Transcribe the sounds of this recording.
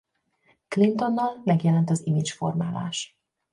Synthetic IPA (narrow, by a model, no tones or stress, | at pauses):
klint̪o̞nːɒlmɛɡjɛlɛnt̪ɒzimit͡ʃfo̞̰rmaːla̰ːʃ